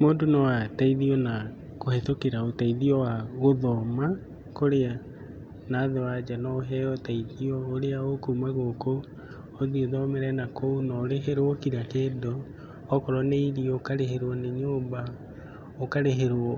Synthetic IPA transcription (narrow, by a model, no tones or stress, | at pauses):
moːdonɔwataiðiɔna | kohetokeɾaotaiðiɔwaɣoðɔma | koɾea | naðewad͡ʒanɔɦɛɔtaiðiɔoɾeaokumaɣokoː | ðioðɔmɛɾɛnakounɔːɾeɦeɾookiɾakeːdɔː | kɔɾɔneiɾiokaɾeheɾwɔneɲoːmba | okaɾeɦeɾwɔ